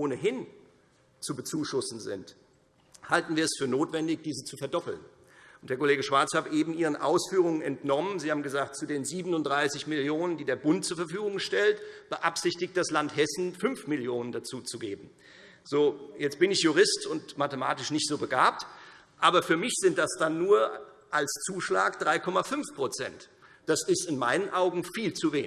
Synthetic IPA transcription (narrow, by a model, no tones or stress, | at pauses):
ʔoːnəɦɪn | t͡subət͡suːʃʊsn̩zɪ̰nt | haltn̩viːɐɛsfyːɐnoːtv̥ɛndɪçd̥iːzət͡sufɛɐdɔpl̩n | ʔʊntd̥eɐkʰoleːɡəʃv̥aɐt͡shaːbəʔeːbm̩ʔiːʁ̞ənʔa̰ʊsfyːʁ̞ʊŋənɛntnɔmənziːhaːbm̩ɡəzaːk̚tt͡sudeːnziːbənʊntd̥ʁaɪsɪçmɪljoːnəndiːdeːɐbʊntt͡suːɐfɛɐfyːɡʊŋʃtɛltb̥əʔapz̥ɪçtɪçtd̥aslanthɛsn̩fʏnfmɪljoːnəndat͡suːt͡suɡḛːbm̩ | z̥oːjɛt͡st̚b̥ɪnɪçjuʁ̞ɪstʊntmatəma̰ːtɪʃnɪçtz̥oːbəɡaːp̚t | ʔaːbɐfyːɐmɪçz̥ɪnt̚d̥asd̥anːuːɐʔalst͡suːʃla̰ːkd̥ʁaɪkʰɔmafʏnfpʁ̥ot͡sɛ̰nt | d̥asɪstɪnma̰ɪnənʔaʊɡŋ̩fiːlt͡suveːnɪ